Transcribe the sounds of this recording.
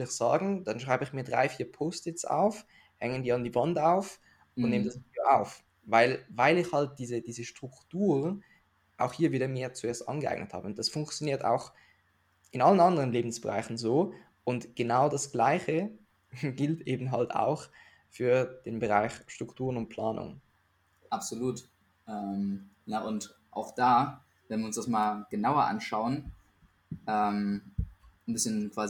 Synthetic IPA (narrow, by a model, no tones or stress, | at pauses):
ɪlɪçz̥a̰ːɡŋ̩d̥anʃʁ̥aɪbəɪçmiːɐdʁa̰ɪfiːɐpʰoːstɪt͡sa̰ʊf | hɛŋədiːandiːvantaʊf | ʊntneːmədasidoʔaʊf | vaɪlvaɪlɪçhalt̚d̥iːzəd̥iːzəʃtʁ̥ʊktuːʁ | ʔaʊxhiːɐviːdɾɐmeːɐt͡sueːɐstʔa̰nɡəʔa̰ɪɡ̥̚nətha̰ːbəʊnt̚d̥asfʊŋkt͡sjoniːɐta̰ʊx | ʔɪnalənandəʁənleːbn̩sb̥əʁa̰ɪxn̩zoː | ʔʊntɡ̥ənaʊdasɡ̥laɪçə | ɡɪltʔeːbm̩ɦalta̰ʊx | fyːɐd̥eːnbəʁaɪçʃtʁ̥ʊktʰuːʁənʊnt̚pʰl̥aːnʊ̰ŋ | ʔapz̥oluːt | ʔɛːm | nəʔʊnt | ʔa̰ʊxd̥aː | vɛnviɐʊnsd̥asmaːlɡ̥ənaʊɐʔa̰nʃaʊən | ʔɛːm | nbɪsçənkv̥aːzi